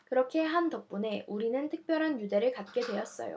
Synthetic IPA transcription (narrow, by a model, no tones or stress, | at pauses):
kɯɾʌkʰe̞ɦantʌk̚p͈une̞ʔuɾinɯntʰɯ̥k̚p͈jʌɾɦanjude̞ɾɯɭkat̚k͈e̞dwe̞ʌs͈ʌ̰jo̰